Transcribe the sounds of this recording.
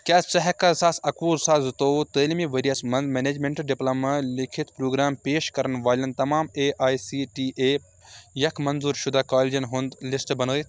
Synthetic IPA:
kʲaːst͡ʃɐɦɛkɐsaːsɐkuːzsaːzt̪oːt̪əːlimiʋeɾijɐsmɐmeːneːd͡ʒmẽɳʈɖɪplɐmlɪkʰɪt̪pɾoːɡɾaːmpeːʃkɐɾɐnʋaːlʲɐnt̪ɐmaːmeːʔaːjsiːʈiːʔeː | jɐkʰmɐnzuːɾʃʊd̪ʱaːkaːlid͡ʒɐnɦund̪lɪsʈbɐnoːit̪ʰ

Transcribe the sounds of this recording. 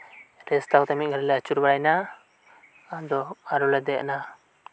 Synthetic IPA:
ɾɛst̪ʰakɔt̪amiˀɡʱəɾɛlɛət͡ʃuɾbaɽajna | ad̪ɔaɾɔlɛd̪ɛʔna

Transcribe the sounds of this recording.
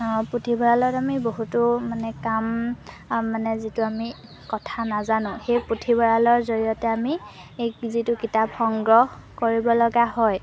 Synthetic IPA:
potʰibɔɹalɔtamiboɦutʊmanɛkamː | anɛzitʊami | kɔtʰanazanʊ̃xejpɹotʰibɔɹalɔɹzoɹijɔtɛami | ezitʊkitapxɔŋɡɹɔɦkoɹibɔlɔɡaɦɔj

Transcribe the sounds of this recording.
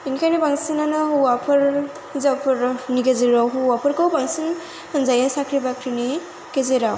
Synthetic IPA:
inkʰajnibaŋsinanɔɦuwapʰɯɾ | zapʰɯɾnikezeɾawɦuwapʰɯɾkowbaŋsin | hanzajasakʰɾibakʰɾini | kezeɾaw

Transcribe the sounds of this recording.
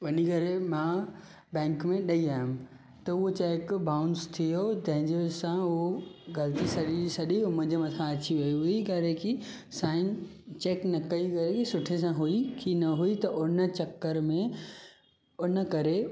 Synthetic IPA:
ʋɐnikɐɾemã | bɛ̃ːŋkmẽɗɐiaːɦʊm | t̪ɐʊɦot͡ɕeːkbaːʊ̃nst̪ʰijot̪ɐ̃ɦɪ̃ɲd͡ʑesãɦoɡɐlt̪isɐɗiisɐɗiɦʊm̃ɪ̃ɲd͡ʑemɐt̪ʰãɐt͡ɕiʋɐjuɦʊikɐɾeki | saːɪ̃n | t͡ɕeːknɐkɐikɐɾekisʊʈʰes̬ãɦuikʰinɐɦuit̪ɐʔʊnət͡ɕɐkːəɾmẽ | ʊnə̆kɐɾe

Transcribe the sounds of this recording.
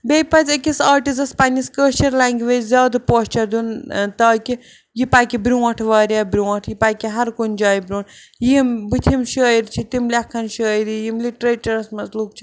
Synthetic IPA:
beːjpɐt͡sʲɐkʲisaːɾʈisɐspanʲiskəːʃɐɾlaːŋɡʋeːd͡ʒzʲaːd̪poːst͡ʃɐɾd̪unt̪aːki | jipaːjkʲibɾʲuːɐ̃ʈʰʋaːɾʲabɾʲuːɐʈʰjipaːkʲiɦɐɾkunʲd͡ʒaːjbɾʲũːn | jimbɨt̪ʲʰimʃijiɾt͡ʃʰit̪imlʲɐkʰːɐnʃijɾijimliʈɾeːʈɐɾɐsmɐzluk̚t͡ʃʰi̥

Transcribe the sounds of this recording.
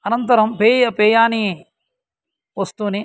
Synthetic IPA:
ɐnɐnt̪ɐɾɐmpeːjɐpeːjaːni | ʋɐst̪uːni

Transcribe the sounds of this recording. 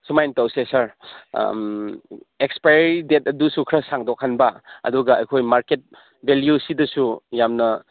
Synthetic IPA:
sumajntɐwsesaɾ | ekspajɾidet̚ɐdusukʰɾɐsaŋdokʰhanbɐɐ̰duɡɐɐjkʰojmaɾket̚ | bʱeljusidɐsujamnɐ

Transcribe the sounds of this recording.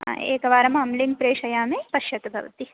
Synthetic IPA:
ḛːkɐʋaːɾɐmɐmliŋpɾeːʂɐjaːmeːpɐʃjɐt̪ɐbʱɐ̰ʋɐ̰t̪i

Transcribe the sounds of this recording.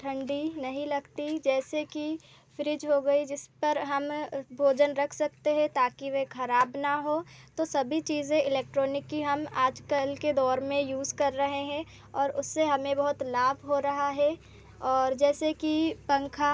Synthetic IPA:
ʈʰɐ̃ɳɖinɐɦĩlɐɡt̪id͡ʒɛːseki | fɪɾɪd͡ʒɦoɡɐid͡ʒɪspɐɾɦɐmbʱoːd͡ʒənɾɐkʰsɐk̚t̪eɦɛ̃t̪aːkiʋekʰɐɾaːbnaɦoːt̪osɐbʱit͡ʃiːzẽɪleːk̚ʈɾoːnɪkːiɦɐmaːd͡ʒkəlked̪ɔːɾmẽjuːzkɐɾːɐɦeɦɛ̃ | ɔːɾʊsːeɦɐmẽbɐɦʊt̪laːbʱɦoɾɐɦaɦɛ | ɔːɾd͡ʒɛːsekipɐ̃ŋkʰa

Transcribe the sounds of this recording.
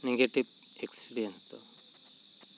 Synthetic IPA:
neɡeʈiʋ | ekspiɾijɐnst̪o̰

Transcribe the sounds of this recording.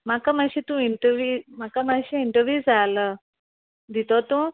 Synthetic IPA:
m̤akaməɕĩt̪ũiɳʈəɾʋjuːmakamaɕĩiɳʈəɾʋjuːzd͡zalə | d̪it̪ot̪ũː

